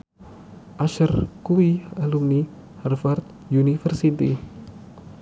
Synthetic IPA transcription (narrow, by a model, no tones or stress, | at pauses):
ʔaʃərkuialumni | harfart̪̚ | junifərsit̪i